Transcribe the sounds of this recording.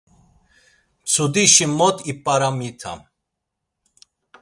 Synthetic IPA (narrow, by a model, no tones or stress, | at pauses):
t͡sʰud̪iʃimɔt̪ʼipʼaɾamit̪ʰa̰m